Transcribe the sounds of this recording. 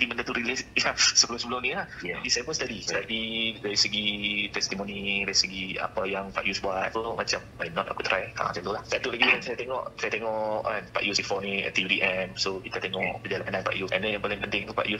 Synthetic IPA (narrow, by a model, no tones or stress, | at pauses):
diməndat̪uɾilɪsjasəbəlʊmsəbəlʊmnilahisajapunsət̪adist̪adidaɾisəɡit̪ɛst̪imonidaɾisəɡia̰pajaŋpa̰ʔjusbuat̪̚fmat͡ʃamwajnɔt̪a̰kut̪ɾajka̰la̰ŋsat̪ulahsaat̪ulaɡiansajat̪eŋɔʔsajat̪eŋɔʔanpa̰ʔjusifɔniɛ̰t̪iidiʔɛmsokit̪at̪eŋɔʔəd͡ʒalaananpa̰ʔjuɛ̰ndɛnjaŋpalɪŋpənt̪ɪŋt̪upa̰ʔju